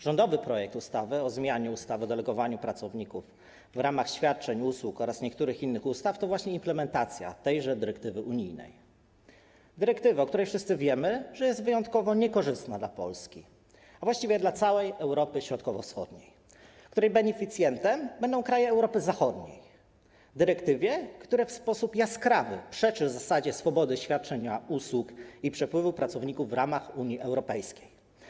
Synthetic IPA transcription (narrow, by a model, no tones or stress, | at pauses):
ʐɔnd̪ɔvɘpɾɔjɛk̚t̪ust̪avɘɔzmʲjaɲɛust̪avɨd̪ɛlɛɡɔvaɲupɾat̪sɔvɲikuv | vɾamaxɕfʲjat̪̚t͡ʂɛɲuswukɔɾasɲɛkt̪uɾɘxinːɘxust̪aft̪ɔvwaɕɲɛimplɛmɛnt̪at̪sʲja̰t̪ɛjʐɛd̪ɘɾɛkt̪ɘvɘʔuɲijnɛ̰j | d̪ɘɾɛkt̪ɘvɘɔkt̪uɾɛjfʂɘst̪sɘvʲjɛmɘʐɛjɛst̪vɘjɔnt̪̚kɔvɔɲɛkɔʐɘst̪nad̪lapɔ̰lskʲi | avwaɕt͡ɕivʲjɛd̪lat̪sawɛjɛwɾɔpɘɕɾɔt̪̚kɔvɔ̰fsxɔ̰d̪ɲej | kt̪uɾɛjbɛɲɛfʲit̪sʲjɛnt̪ɛmbɛnd̪ɔ̃w̃kɾajɛːwɾɔpɘzaxɔd̪ɲḛj | d̪ɘɾɛkt̪ɘvʲjɛkt̪uɾɛfspɔsupjaskɾavɘ̰pʂɛt͡ʂɘvzasad͡ʑɛsfɔbɔd̪ɘɕfʲjat̪̚t͡ʂɛɲauswukipʂɛpwɘvupɾat̪sɔvɲikuvːɾamaxuɲiʔɛwɾɔpɛjskʲej